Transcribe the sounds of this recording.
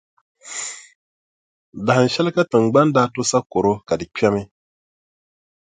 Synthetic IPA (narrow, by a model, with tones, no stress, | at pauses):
da˨hɨ˨n̩˨ʃɛ˦lka˦tɨ˨ŋ˨ɡ͡ba˦ndaː˦to˦sa˦ko˨ɾo˦ka˨dɨ˨k͡pʲɛ˦mɪ˦